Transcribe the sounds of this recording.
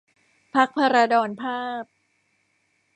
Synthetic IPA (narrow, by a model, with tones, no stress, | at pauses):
pʰa˦˥k̚pʰa˧ɾa˧dɔː˧npʰaː˥˩p̚